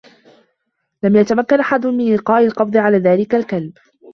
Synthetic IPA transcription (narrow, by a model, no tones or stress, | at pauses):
lamjat̪amakːanʔaħad̪ʊmɪnlɪqɑːʔɪlqɑbd̪ˤɨʕalaːðaːlɪkalkalb